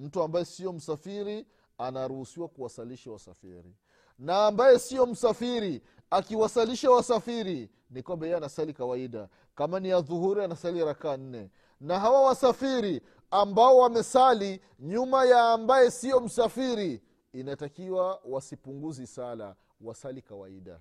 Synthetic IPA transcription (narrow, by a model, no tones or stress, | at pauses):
m̩tuambajɛsijɔm̩safiɾi | anaɾuhusiwakuwasaliʃawasa̰fḭɾḭ | naːmbajɛsijɔm̩safiɾi | akiwasaliʃawasafiɾi | nikwambɛjɛanasalikawaiɗa̰ | kamaniaðuhuɾianasaliɾakaːn̩nɛ | naɦawawasafiɾi | ambaɔwamɛsali | ɲumajaːmbajɛsijɔm̩safiɾiː | natakiwawasipuŋɡuzisala̰ | wasalikawa̰iɗa̰